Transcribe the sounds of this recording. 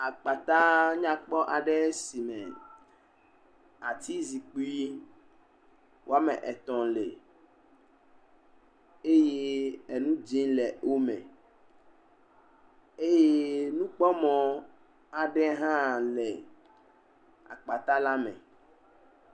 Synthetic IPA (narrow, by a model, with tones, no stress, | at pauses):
a˨k͡pa˨t̪a˦ɲã˦k͡pɔ˦ʔa˨ɖɛ˦si˨mɛ̃˨ | a˨t̪i˦zi˨k͡pi˦i˦ | wo˨a˦mɛ˨ʔɛ˨t̪ɔ̃˨le˨ | e˦je˦e˨nũ˦d͡ʒĩ˦lɛ˨o˦mɛ̃˨ | e˦je˦nũ˦k͡pɔ˦mɔ̃˨ | a˨ɖɛ˦ɦã˦lɛ˨ | a̰˨k͡pa˨t̪a˦la˦mɛ̰̃˨